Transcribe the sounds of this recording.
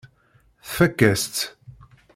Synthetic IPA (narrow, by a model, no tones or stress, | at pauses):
θfækːæst̪